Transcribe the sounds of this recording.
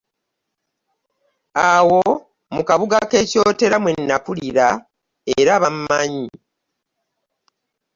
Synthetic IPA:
awo̞ | mukaβuɡake̞co̞ːte̞ɾamwenːakuliɾa | eɾaβamːaɲi

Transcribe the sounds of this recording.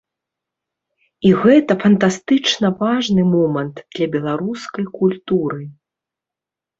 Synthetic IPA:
iɣɛt̪ɐfɐnt̪ast̪ɨt͡ʂnɐvaʐnɨmɔmɐnt̪d̪̥lʲɐbʲɛlˠaɾuskɐjkulʲt̪uɾɨ

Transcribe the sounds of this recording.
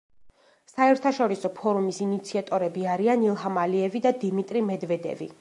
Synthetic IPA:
saɛɾt̪ʰaʃɔɾisɔpʰɔɾumisinit̪sʰiat̪ʼɔɾɛbiaɾianilˠɦamaliɛvid̪ad̪imit̪ʼɾimɛd̪vɛd̪ɛ̰vḭ

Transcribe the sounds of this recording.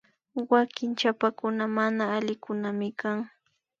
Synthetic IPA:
wakɪnt͡ʃapakʊnamanaːlɪkʊnamɪkaŋ

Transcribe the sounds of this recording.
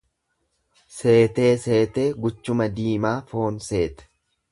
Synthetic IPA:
se̞ːt̪e̞ːse̞ːt̪e̞ːɡʊt͡ʃːʊmɐd̪iːmaːfo̞ːnse̞ːt̪ɛ̥

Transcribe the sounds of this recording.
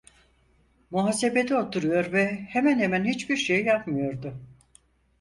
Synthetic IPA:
muɦaːse̞be̞t̪ʰiot̪ʰuɾujo̞ɾvɛhemænhemænhit͡ʃbiɾʃejjapmɯjo̞ɾd̪ʊ

